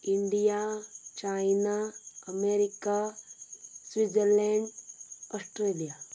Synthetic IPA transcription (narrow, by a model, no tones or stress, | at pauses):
iɳɖijat͡ʃajnaəmeɾika | swid͡zəɾleɳɖɔsʈɾelija